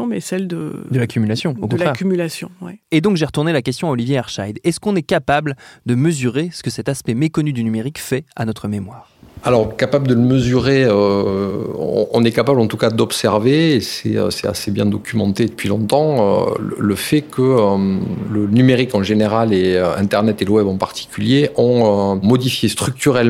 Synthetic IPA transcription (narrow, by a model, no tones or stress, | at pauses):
mɛsɛld̪əd̪əlakʲymylasjɔ̃okɔ̃laʁɛkymylasjɔ̰̃wɛ̰ed̪ɔ̃kʒeʁət̪uʁnelakʲɛst̪jɔ̃aɔlivjeaʁʃajd̪ɛskɔ̃nɛkapabld̪əməzyʁesə̥kəsɛt̪aspɛmekɔnyd̪ynymeʁikfɛa̰nɔt̪χəmemwaːʁalɔʁkapabləd̪ələməzyʁeø | ɔ̰̃ɔ̰̃nɛkapablɑ̃t̪ukad̪ɔpsɛʁveːsɛø̰sɛt̪a̰sebjɛ̃d̪ɔkʲymɑ̃t̪ed̪əpɥilɔ̃t̪ɑ̃ø̰lə̰ləfɛkʰəølənymeʁikɑ̃ʒeneʁaleøɛ̃t̪ɛʁnɛt̪eləwɛbɑ̃paʁt̪ʰi̥kʲyljeʔɔ̃ømɔd̪ifjest̪χyk̚t̪yʁɛl